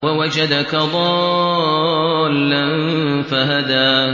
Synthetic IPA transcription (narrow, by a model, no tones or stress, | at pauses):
wawad͡ʒad̪akaðˤɑ | lːanfaɦad̪aː